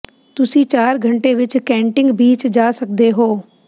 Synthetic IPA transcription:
t̪ʊsĩːt͡ʃaːɾɡʱəɳʈeːʋɪt͡ʃkɛ̃ːɳʈɪ̃ŋɡbiːt͡ʃd͡ʒaːsək̚d̪eːɦoː

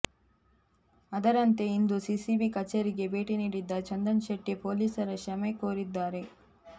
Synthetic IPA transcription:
ɐd̪ɐɾɐnt̪e̞ind̪usisibikɐt͡ʃːɐɾiɡe̞be̞ːʈiniːɽid̪ːɐt͡ʃɐnd̪ɐnʃɐʈːepoːliːsɐɾɐʃɐmekoːɾid̪ːaːɾe̞

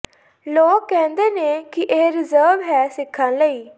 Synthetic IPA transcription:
loːkːɛ̃ːnd̪eːnẽːkɪʔeːɾɪzəːɾʋɦɛːsɪkʰːãːnləiː

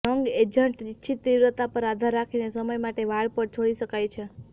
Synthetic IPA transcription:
əŋɡed͡ʒəɳʈit͡ʃʰit̪ɾiʋɾət̪apəɾad̪ʱaɾːakʰinesəməjmaʈeʋaɭpəɾt͡ʃʰoɭiʃəkajt͡ʃʰe

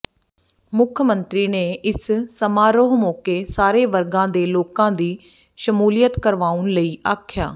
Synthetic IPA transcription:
mʊkʰmənt̪ɾiːneːʔɪssəmaːɾoːɦmoːkeːsaːɾeːʋəɾɡãːd̪eːloːkãːd̪iː | ʃəmuːlɪjət̪kəɾʋaːʊnləiːʔaːkʰja̰ː

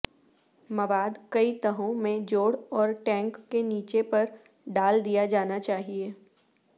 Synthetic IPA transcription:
mɐʋaːd̪kɐit̪ɐɦõmẽd͡ʒoːɽɔːɾʈɛ̃ːŋkːeniːt͡ʃepɐɾ | ɖaːld̪ijad͡ʒaːnat͡ʃaːɦieː

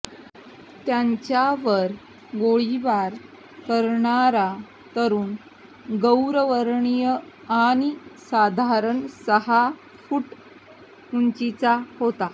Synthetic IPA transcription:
t̪jaɲt͡ɕjaʋəɾ | ɡoɭiʋaɾ | kəɾɳaɾa | t̪əɾuːn | ɡəwɾəʋəɾɳijəañisad̪ʱaɾəɳsəɦa | fuʈ | muɲt͡ɕit͡sahot̪a

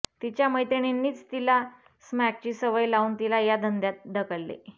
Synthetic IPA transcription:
t̪it͡ɕjaməjt̪eɳ̃enːiːt͡st̪ila | smæk̚t͡ɕiːsəʋəjlauːnt̪ilajad̪ʱənd̪jat̪̚d̪əkəllḛ

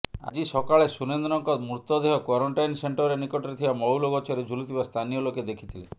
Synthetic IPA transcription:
a̰d͡ʒisɔkaɭesunend̪ɾɔŋkɔt̪muɾt̪ɔd̪eɦɔkwɔɾɔɳʈajnseɳʈɔɾenikɔʈɔɾet̪ʰibamɔwlɔɡɔt͡ʃʰɔɾed͡ʒʱulut̪ʰibast̪ʰanijɔloked̪ekʰi̥t̪ʰile

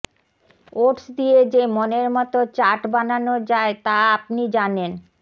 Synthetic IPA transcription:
oʈsd̪ied͡ʑemoneɾmɔt̪ot͡ɕaʈbananod͡ʑaet̪aapnid͡ʑanen

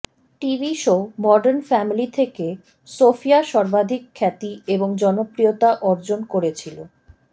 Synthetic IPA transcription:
ʈibiʃomɔɖeɾnfɛmilit̪ʰeke | sofiaʃɔɾbad̪ʱikʰːɛt̪ieboŋd͡ʑɔnopɾiot̪aʔɔɾd͡ʑonkoɾet͡ɕʰilo

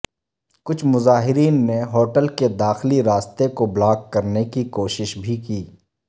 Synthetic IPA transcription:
kʊt͡ʃʰmʊzaːɦɪɾiːnːeɦoːʈəlked̪aːxliɾaːst̪ekoblaːkkɐɾnekikoːʃɪʃbʱikiː

